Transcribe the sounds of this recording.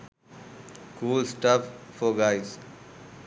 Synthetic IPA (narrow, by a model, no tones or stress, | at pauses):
kuːlsʈəffɔɡaɪz